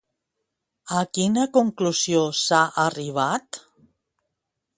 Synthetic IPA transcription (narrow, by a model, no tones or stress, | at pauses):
akinəkuŋkluzjosaʔəriβ̞at̪